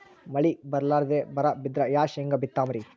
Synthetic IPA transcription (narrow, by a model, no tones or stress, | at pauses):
mɐɭibɐɾlaːɾd̪ebɐɾɐbid̪ɾɐjaːʃeŋɡɐbit̪ːaːmɐɾi